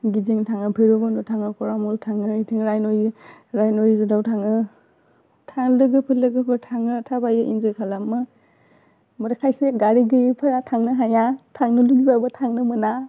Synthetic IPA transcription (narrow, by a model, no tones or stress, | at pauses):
ɡiziŋtʰaŋɯpʰɯɾoɡɔnɔtʰaŋɯkɔɾamɔltʰaŋɯitʰiŋɾajnojɾajnojzudawtʰaŋɯ | tʰaŋlɯɡɯpʰɯlɯɡɯpʰɯtʰaŋɯtʰabajɯʔinzojkʰalamɯ | mɔɾakʰajseɡaɾiɡɯjipʰɯɾatʰaŋnɯɦajatʰaŋnɯluɡibabɯtʰaŋnɯmɯna